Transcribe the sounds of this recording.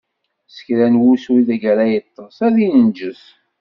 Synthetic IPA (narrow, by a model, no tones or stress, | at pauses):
sə̥çɾænwuswiðæɡæɾæjət̪ˤːəsæðinənd͡ʒəs